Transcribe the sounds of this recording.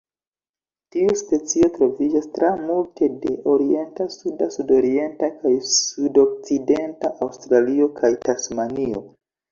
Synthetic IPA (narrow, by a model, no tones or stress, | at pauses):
tiuspe̞t͡sio̞tɾo̞vid͡ʒastɾamultʰe̞de̞ʔo̞ɾie̞ntasudasudo̞ɾie̞ntakajsudo̞k̚t͡side̞ntaʔawstɾalio̞kʰajtasmanio̞̰